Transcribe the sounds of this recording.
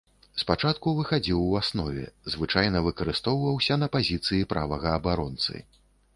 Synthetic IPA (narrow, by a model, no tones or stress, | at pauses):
spat͡ʂat̪kuvɨxad͡zʲiwasnɔvʲɛ̰zvɨt͡ʂajn̪ɐvɨkɐɾɨst̪ɔwvɐwsʲɐnɐpazʲit̪sɨjipɾa̰vɐɣɐːbaɾɔnt̪sɨ̰